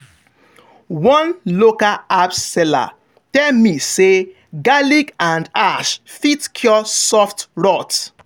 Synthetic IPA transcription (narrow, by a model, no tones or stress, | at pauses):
wɔ̃nlokaapsɛla̰ | tɛlmise | ɡaliɡãndaʃfitkʰjɔsɔftɹɔt